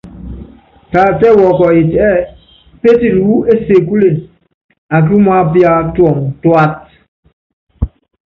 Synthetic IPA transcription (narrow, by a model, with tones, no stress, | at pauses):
ta˨tɛ˦wɔ˨kɔ˨i˨tɛ˦ | pe˦ti˦˨du˨u˦e˦se˨ku˦li˨n | a˨k̬u˦m˦a˦pja˦tɔ˨ŋtwa˦t̚